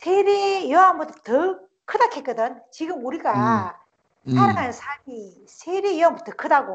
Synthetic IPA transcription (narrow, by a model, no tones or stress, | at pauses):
sʰeɾejʌamɯtʌtɯ | kʰɯdakʰek͈ɯdɯnt͡ɕiɡɯmuɾiɡa | saɾaŋɦannsʰaɭmi | sʰeɾejambɯtɯkʰɯdaɡo